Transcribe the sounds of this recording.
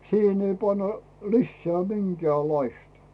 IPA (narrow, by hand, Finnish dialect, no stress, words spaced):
siːhen ei pɑnːɑ lisːeæ minkĕæˑlʲlɑistɑ̥